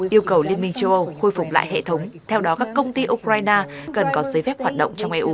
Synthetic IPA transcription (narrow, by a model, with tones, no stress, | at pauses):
ʔi˧əwkə˨˩wli˧ənmï˧ŋt͡ɕə˧wʔə˧wxo˧jfʊ˨˩k͡p̚la̰ː˧˨jɦḛ˧˨t̪ʰə˨˦wŋ͡mt̪ʰɛ˧wɗɔ˨˦kaː˦˥kːə˧wŋ͡mt̪i˧ʔu˧kɾaː˧jnaː˧kə˨˩nkɔ˨˦zə˨˦jfɛ˦˥p̚hwaː˨˩t̚ɗə̰˧˨ŋ͡mt͡ɕɔ˧wŋ͡mʔɛ˧ʔu˨˦